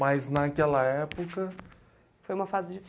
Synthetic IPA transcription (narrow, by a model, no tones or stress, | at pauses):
ajznɐkɛlɐɛpokɐ | fojũmɐfazɪd͡ʒɪf